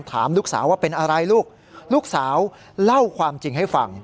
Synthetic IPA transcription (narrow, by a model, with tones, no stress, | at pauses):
mt̪ʰa̰ː˩˦mluː˥˩k̚sa̰ː˩˦wːaː˥˩pe˧nʔa˧ɾa˧jluː˥˩k̚ | luː˥˩k̚saː˩˦w | la˥˩wkʰwaː˧mt͡ɕi˧ŋɦa˥˩jfa̰˧ŋ